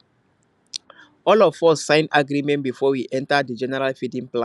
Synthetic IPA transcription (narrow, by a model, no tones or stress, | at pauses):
ɔlɔfɔssãɪ̃naɡɾimɛ̃ntbifɔwiʔɛ̃ntadəd͡ʒɛnɛɹalfidĩŋplã